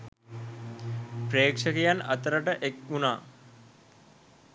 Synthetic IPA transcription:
pɾeːkʂəkejanɐt̪əɾəʈəʔekunaː

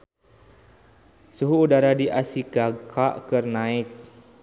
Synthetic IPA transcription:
suɦuːdaɾadiʔasikakʰaʔkərnaɪk̚

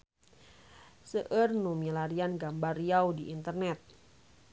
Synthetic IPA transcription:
səʔərnumilaɾianɡambarjawdiʔint̪ərnɛt̪̚

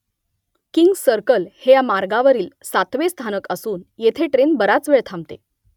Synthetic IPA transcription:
kiŋɡsəɾkəlhejamaɾɡaʋəɾiːlsat̪ʋest̪ʰanəkəsuːnjet̪ʰeʈɾenbəɾat͡sʋeɭt̪ʰãmt̪e

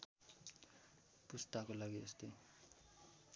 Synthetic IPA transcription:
pust̪akolaɡiest̪ʌj

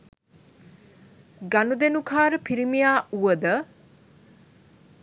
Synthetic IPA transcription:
ɡanud̪enukʰaːɾəpʰiɾimijaːuʋəd̪ə

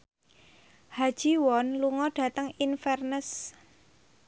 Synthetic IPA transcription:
hḁʒ̥i̤wɔnluŋɔɖ̥ä̤t̪əŋinfɛrnəs

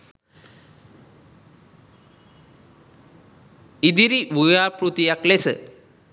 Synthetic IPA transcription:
id̪iɾiʋujaːpɾut̪ijaklesə̰

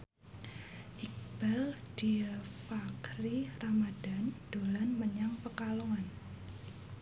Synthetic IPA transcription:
ʔik̚b̥ald̥iəfakɾiramada̤nd̥olanməɲaŋpəkaloŋan

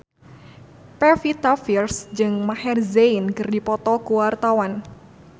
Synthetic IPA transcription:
pɛfit̪afirsd͡ʒɨŋmahɛrzejnkɨrdipɔt̪ɔkuwart̪awan

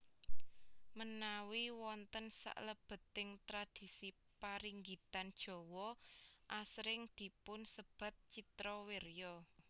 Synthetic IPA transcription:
mənawiwɔnt̪ənsa̰ʔləb̥ə̤t̪ɪŋt̪ɾad̪̥i̤si | paɾiŋɡit̪and̥ʒ̥ɔ̤wɔʔasɾɪŋd̪̥i̤pʊnsəb̥ä̤t̪̚t͡ʃit̪ɾɔwerjɔ

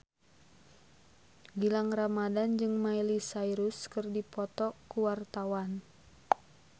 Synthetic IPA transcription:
ɡilaŋramadand͡ʒɨŋmailisaiɾuskɨrdipɔt̪ɔkuwart̪awan

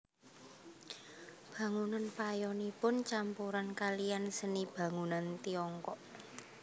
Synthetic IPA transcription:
b̥ä̤ŋunanpajɔnipʊnt͡ʃampuɾankalijansənib̥ä̤ŋunant̪iɔŋkɔʔ

